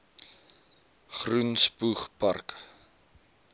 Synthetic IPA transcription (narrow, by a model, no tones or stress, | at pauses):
χrunspuχpɐ̰rk